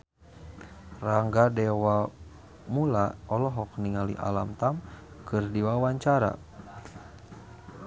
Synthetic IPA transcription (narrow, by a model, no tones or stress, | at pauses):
raŋɡadɛwa | mulaɔlɔɦɔk̚niŋalḭʔa̰lamt̪amkɨrdiwawaɲt͡ʃaɾa̰